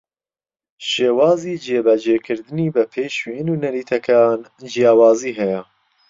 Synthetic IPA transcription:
ʃeːwɑːziːd͡ʒeːbɛd͡ʒeːkʰɨɾd̪ɨniːbɛpʰeːʃwnuːnɐɾiːt̪ʰɐkʰaːnd͡ʒijaːwɑːziːɦɛjɛ

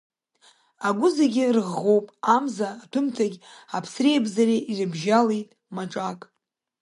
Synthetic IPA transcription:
aɡʷʊzaɡʲɪrʁowpʼamzaːtʰʊmtʰaɡʲapʰsrejbzariʔirɨbʒalejtʼ | maʈ͡ʂʼakʼ

